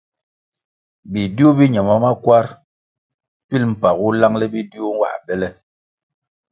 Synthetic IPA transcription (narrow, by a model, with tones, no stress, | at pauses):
bi˨di˦o˦bi˦ɲa˨ma˦ma˦kwa˦ɾ | ti˦lm̩˨pa˨ku˦la˦ŋlɛ˦bi˦di˦o˦ŋ˦wa̰˨ʔbɛ˦lɛ˦